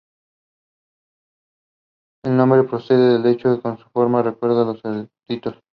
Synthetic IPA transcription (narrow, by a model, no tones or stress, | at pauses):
elnõmbɾe̞pɾose̞ðeðelet͡ʃokekonsu̥foɾmarekwe̞ɾðaloseɾt̪it̪os